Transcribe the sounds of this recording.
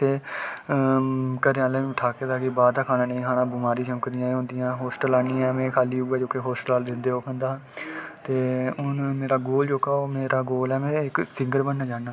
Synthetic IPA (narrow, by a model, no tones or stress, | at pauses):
t̪eː | kəɾeaːlẽːʈʰaːkeːd̪aːkɪbaːd̪aːkʰaːnãːnəĩːkʰaːnãːbʊmaːɾiːt͡ʃəmkəɾijãːẽɦʊ̃ːnd̪ɪjãːɦoːsʈəlaːnĩːɛːmɛ̃ːkʰaːliːɦʊːɛːd͡ʒoːkeɦoːsʈəlaːld̪ɪnd̪eːoːkʰə̃nd̪aːt̪eːʊnmeːɾaːɡoːld͡ʒoːkaːoːmeːɾaːɡoːlɛːmɛ̃ːɪksɪŋɡəɾbənːaːd͡ʒaːnːaː